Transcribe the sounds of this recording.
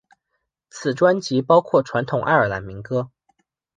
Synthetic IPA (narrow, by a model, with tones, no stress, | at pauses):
t͡sʰɹ̩˨˩ʈ͡ʂwa˥nt͡ɕi˧˥pɑ˥ʊkʰwɔ˥˩ʈ͡ʂʰwa˧˥nt̪ʰʊ˨˩ŋʔa˥˩ɪə˞˨˩la̰˧˥nmi˧˥ŋkɤ˥